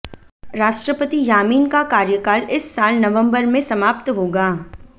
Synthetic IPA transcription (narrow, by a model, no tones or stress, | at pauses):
ɾaːʃʈɾəpət̪ijaːmiːnkakaːɾjəkaːlɪsːaːlnɐʋə̃mbəɾmẽsɐmaːp̚t̪ɦoːɡaː